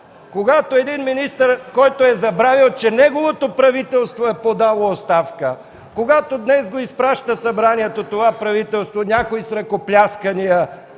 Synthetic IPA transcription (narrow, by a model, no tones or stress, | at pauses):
koɡat̪oɛd̪inminist̪əɾkɔjt̪oɛzɐbɾavilˠt͡ʃɛnɛɡovot̪opɾɐvit̪ɛlˠst̪voɛpod̪alˠoːst̪afkə | koɡat̪od̪nɛzɡoispɾaʃt̪əsɐbɾaniɛt̪ot̪ovapɾɐvit̪ɛlˠst̪vonʲakoisɾɐkoplʲaskənijə